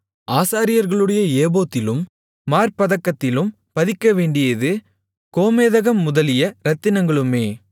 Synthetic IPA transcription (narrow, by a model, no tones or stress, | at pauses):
aːsaːɾɪjɐɾɣɐɭɯɽɐjɐeːboːt̪ːɪlɯmː | aːɾpɐðɐkːɐt̪ːɪlɯm | pɐðɪkːɐʋeːɳɖɪjɐðɯ | koːmeːðɐɣɐmːʊðɐlɪjɐɾɐt̪ːɪnɐŋɡɐɭɯmeː